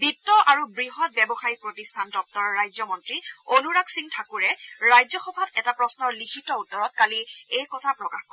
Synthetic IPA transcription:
bitːɔʔaɹubɹiɦɔt̚bɛbɔxaipɹotistʰandɔp̚tɔɹɔɹːajzɔmɔntɹionuɹaksiŋtʰakuɹɛɹajzɔxɔbʱabɛtapɹɔsnɔɹlikʰitɔutːɔɹɔt̚kaliejkɔtʰapɹɔkaxk

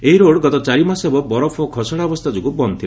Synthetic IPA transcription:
eɦiɾoɽɡɔt̪ɔt͡ʃaɾimasebɔbɔɾɔpʰɔkʰɔsɔɽaɔbɔst̪ʰad͡ʒukubɔnt̪ʰil

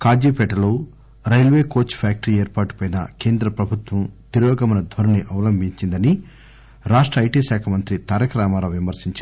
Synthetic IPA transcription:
kaːd͡ʒiːpɛʈɐloː | ɾɐjlʋeːkoːt͡ʃːpʰaːk̚ʈɐɾieːɾpaːʈu̥pɐjnɐ̰ke̞ːnd̪ɾɐpɾɐbʱut̪ʋɐmt̪iɾɔːɡɐmɐnɐd̪ʱʋɐɾɐniʔɐʋɐlɐmbʱiɲt͡ʃind̪ɐni | ɾaːʂʈɾɐːjʈiːʃaːkʰɐmɐnt̪ɾit̪aːɾɐkɾaːmaːloːʋimɐɾsiɲt͡ʃa

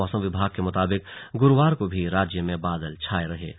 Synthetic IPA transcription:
ɔːsə̃mʋɪbʱaːɡ̚kemʊt̪aːbɪk̚ɡʊɾʋaːɾkobʱiɾaːd͡ʒjəmẽbaːd̪əlt͡ʃʰaːeɾɐɦḛː

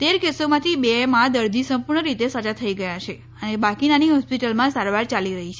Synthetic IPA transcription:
t̪eɾkesomãt̪ʰibemãd̪əɾd̪ʱisə̃mpuɾɳəɾit̪esət͡ʃat̪ʰəiɡəjat͡ʃʰe | ənebakinaniɦɔspiʈəlmãsaɾʋaɾt͡ʃaliɾəɦit͡ʃʰe

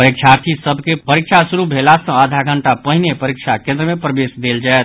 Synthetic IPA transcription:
əɾik̚t͡ʃʰaɾt̪ʰisəbʱkepəɾik̚t͡ʃʰasuɾubʱelasə̃əd̪ʱaɡəɳʈapəɦinepəɾik̚t͡ʃʰakẽnd̪ɾəmepɾəbesd̪eld͡ʒaet̪

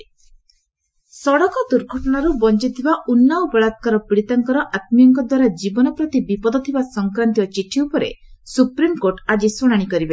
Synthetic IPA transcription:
sɔɽɔkɔd̪uɾɡʱɔʈɔnaɾubɔnt͡ʃit̪ʰibaunːawbɔɭat̪kaɾɔpiɽit̪aŋkɔɾɔʔat̪̚mijɔŋkɔd̪waɾad͡ʒibɔnɔpɾɔt̪ibipɔd̪ɔt̪ʰibasɔŋkɾant̪iɔt͡ʃiʈʰiupɔɾḛsupɾimkoɾʈad͡ʒisuɽ̃aɽ̃ikɔɾibe

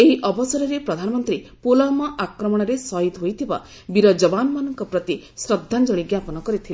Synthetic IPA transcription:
eɦiʔɔbɔsɔɾɔɾepɾɔd̪ʱanɔmɔnt̪ɾipolɔmɔʔakɾɔmɔɽ̃ɔɾesɔɦit̪ɦojt̪ʰiba̰ | biɾɔd͡ʒɔbanɔmanɔŋkɔpɾɔt̪isɾɔd̪ʱːand͡ʒɔɭiɡjapɔnɔkɔɾit̪ʰili

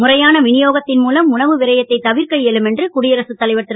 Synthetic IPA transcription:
mʊrɐjaːnɐʋɪnɪjoːɣɐt̪ːɪnmuːlɐmʊnɐʋɯʋɪɾɐjɐt̪ːɐɪt̪ɐʋɪɾkɐɭjɛlɯmɛndrɯkʊɽɪjɐɾɐsɯt̪ːɐlɐɪʋɐʈːɯɾ

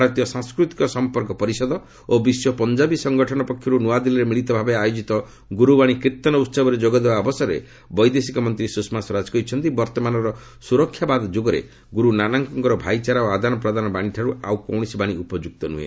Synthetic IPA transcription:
bʱaɾɔt̪ijɔsãŋskɾut̪i̥kɔsɔmpɔɾkɔpɔɾisɔd̪ɔ | obisjɔpɔnd͡ʒabisɔŋɡɔʈʰɔnɔpɔkʰjɔɾunuad̪ilɔɾemiɭit̪ɔbʱabeajod͡ʒit̪ɔ | ɡuɾubaɽ̃ikɾit̪ɔnɔut̪sɔbɔɾed͡ʒoɡɔd̪ebaɔbɔsɔɾḛ | bɔjd̪esikɔmɔnt̪ɾisusmasɔɾad͡ʒkɔit͡ʃʰɔnt̪ibɔɾt̪ɔmanɔɾɔ | suɾɔkʰːjabad̪d͡ʒoɡɔɾḛ | ɡuɾunanaŋkɔŋkɔɾɔbʱajt͡ʃaɾaoad̪ʱanɔpɾɔd̪ʱanɔbaɽ̃iʈʰaɾua̰wkɔwɽ̃isibaɽ̃iʔupɔd͡ʒuk̚t̪ɔnṵḛ

